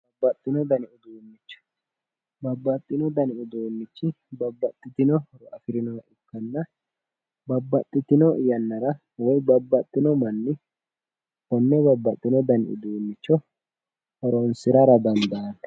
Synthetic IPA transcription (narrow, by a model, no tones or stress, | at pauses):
bɐbːɐt̪ʼːɪnɔd̪ɐnɪʊd̪uːnːɪt͡ʃːɔ̥ | bɐbːɐt̪ʼːɪnɔd̪ɐnɪʊd̪oːnːɪt͡ʃːɪ | bɐbːɐt̪ʼːɪt̪ɪnɔɾɔʔɐfɪɾɪnɔwɐʔɪkːɐnːɐ | bɐbːɐt̪ʼːɪt̪ɪnɔʔjɐnːɐɾɐ | wɔjbɐbːɐt̪ʼːɪnɔmɐnːɪ | hɔnːɛbɐbːɐt̪ʼːɪnɔd̪ɐnɪ̰ʊ̰d̪uːnːɪt͡ʃːɔ | hɐɾonsɪɾɐɾɐd̪ɐnd̪ɐɐnɐ